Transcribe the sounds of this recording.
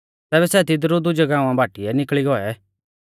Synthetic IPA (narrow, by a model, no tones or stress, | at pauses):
t̪ɛːβɛsɛt̪ɪd̪ɾud̪ʊd͡ʒɛɡãːũãbʱaːʈiɛnɪkɭiɡɔɛ